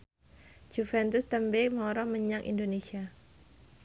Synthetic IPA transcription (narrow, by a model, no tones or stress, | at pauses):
d͡ʒ̥ufɛnt̪ʊst̪əmbemɔɾɔməɲaŋʔḭndonesia